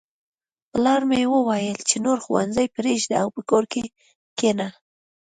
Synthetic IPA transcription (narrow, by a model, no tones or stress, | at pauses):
pəlɑɾmejewəwajəlt͡ʃenoɾxuwa̰nzajpɾeʒd̪aawpəkoɾke | kena